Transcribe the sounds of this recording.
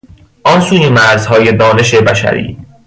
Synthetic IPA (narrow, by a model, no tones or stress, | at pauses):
ʔɒnsuːjemæɾzhɒːjed̪ɒːne̞ʃebæʃæ̰ɾḭː